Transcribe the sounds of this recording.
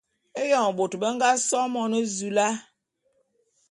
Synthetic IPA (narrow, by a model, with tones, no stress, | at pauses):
e˦jɔ˨ŋ˨bo˨tbə˦ŋɡa˦sɔ˦mɔ˦nə˦zu˨la˦